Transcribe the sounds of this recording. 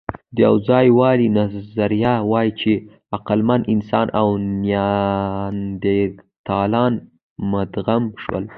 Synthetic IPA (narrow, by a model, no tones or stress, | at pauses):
d̪əjawd͡zɑjwɑlinazaɾjawɑjit͡ʃe | aqalmanɪnsɑnʔawnjɑ | nd̪e | t̪ɑlɑn | mad̪ɣamʃwə̰l